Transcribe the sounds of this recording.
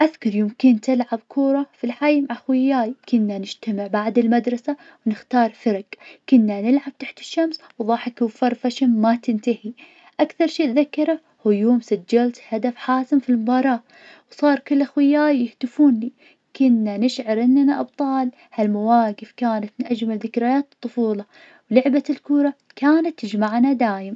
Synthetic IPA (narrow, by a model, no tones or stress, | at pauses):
ʔaθkʊɾˤjʊmkɪnt̪ɪlʕab̚kʰuːɾˤɑfilħajmaʕaxwɪjːaːjkʊnːanɪd͡ʒt̪amɪʕbaʕd̪ɪlmad̪ɾˤɑsa | wnɪxt̪ɑːɾˤfɪɾˤɑqkʊnːanɪlʕab̥̚t̪aħt̪ɪ̥ʃːams | wðˤɑːħɪkufɑɾˤfaʃamːat̪ɪnt̪ahi | ʔakθɑɾˤʃiːðakːɑɾˤa | hujuːmsad͡ʒːalt̪had̪afħaːsɪmfilmʊbɑːɾˤɑː | wsˤɑːɾˤkʊlːʔaxwɪjːaːjɪhd̪ɪfuːnli | kʊnːanɪʃʕɑɾˤʔɪnːanaʔɑb̚t̪ˤɑːl | halmawaːɡɪfkaːnat̪mɪnʔad͡ʒmalðɪkɾɪjaːt̪ɨ̥t̪ˤːʊfuːlɑ | wlʊʕbalkuːɾˤɑ | kaːnat̪ːɪd͡ʒmaʕnad̪aːjɪm